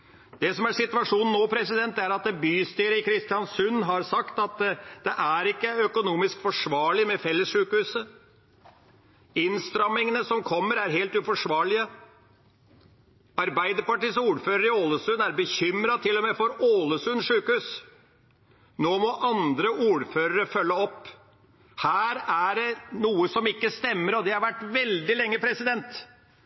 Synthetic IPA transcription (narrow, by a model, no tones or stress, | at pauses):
d̪̥ɛsɔmæʂɪt̪ʉʋɑʂuːnn̩nːoːpʰɾɛsɪd̪ɛnt̪ːæɾɑt̪̚d̪ɛbyːst̪yːɾəɪkʰɾɪst̪ɪɑnsʉnːɦɑɾsɑkt̪ɑt̪d̪̥ɛʔæɾɪkːəœkʊnuːmɪskfɔʂʋɑːɭɪmɛfɛlːəsʂʉːkəhʉːsə | ɪnst̪ɾɑmːɪŋənəsɔmkʰɔmːəɾæɾɦeːlt̪ʉfɔʂʋɑːɭɪə | ɑɾbæɪd̪əɾpɑʈiːsuːɾføːɾəɾɪoːləsʉnæɾbəçʏmɾɑt̪ʰɪlːɔmefɔɾoːləsʉnʂʉːkəhʉːs | noːmɔʔɑnd̪ɾəʔuːɾføːɾəɾəfœlːəɔpː | hæːɾæɖɛnuːəsɔmɪkːəst̪ɛmːəɾɔd̪ɛhɑɾʋæʈːʋɛld̪ɪlɛŋːəpʰɾɛsɪd̪ɛnt̪